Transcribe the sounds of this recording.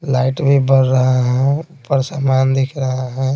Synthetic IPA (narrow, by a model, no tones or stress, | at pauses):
laɪʈbʱibəɽːəɦaɦɛ̃ | pəɾsaːmaːnd̪ɪkʰɾəɦaɦɛ̃